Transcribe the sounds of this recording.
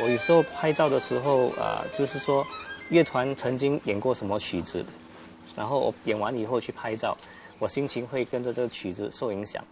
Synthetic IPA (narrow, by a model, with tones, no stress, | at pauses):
wɔ˧˥y˨˩ʂo˥˧ʊpʰa˥˧ɪt͡sɑ˥˩ʊd̪ə˩ʂɻ̩˧˥xo˥˧ʊə̰˧˩t͡ɕjo˥˧ʊʂɻ̩˥˩ʂwɔ˥ɥɛ˥˩t̪ʰwa˧˥nt͡sʰɤ˧˥ŋt͡ɕi˥ŋjɛ˨˩nkwɔ˥˩ʂə˧˥nmə˧t͡ɕʰy˨˩d͡zɹ̩̰˧˥˦ | na˧˥nxo˥˩ʊwʔɔ̰˨˩jɛ˨˩nwa̰˧˥ni˨˩xo˥˧ʊt͡ɕʰy˥˩pʰa˥˧ɪt͡sɑ˥˩ʊ | wɔ˨˩ɕi˥nt͡ɕʰi˧˥ŋxwe˥˩ɪkə˥nʈ͡ʂə˨ʈ͡ʂə˥˩ɡə˩t͡ɕʰy˨˩d͡zɹ̩˧˦ʂo˥˩ʊi˧˥ŋɕjɑ̰˨˩˦ŋ